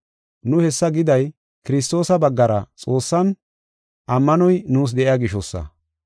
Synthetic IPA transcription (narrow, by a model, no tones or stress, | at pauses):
nʊhɛsːɐɡɪd̪ɐj | kɪɾɪst̪o̞ːsɐbɐɡːɐɾɐ̰t͡sʼo̞ːsːɐn | ʔɐmːɐnɔjnuːs̬d̪ɛʔɪjaːɡɪʃɔsːɐ̰